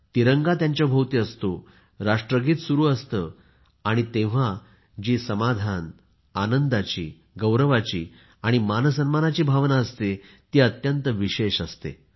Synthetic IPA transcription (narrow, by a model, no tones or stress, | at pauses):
t̪iɾəŋɡat̪jaɲt͡ɕjabʱəwt̪iːəst̪o | ɾaʂʈɾəɡiːt̪suɾuːəst̪ə | aɽ̃it̪ẽʋ̤a | d͡ʑiːsəmad̪ʱan | anənd̪at͡ɕḭː | ɡəwɾəʋat͡ɕiː | aɽ̃imanəsənmanat͡ɕiːbʱaʋnaəst̪e | t̪iːət̪jənt̪əʋiɕeɕəst̪ḛ